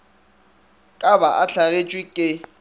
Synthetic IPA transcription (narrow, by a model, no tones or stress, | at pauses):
kʼabaʔaɬʰaɣet͡ʃʼwikʼɪ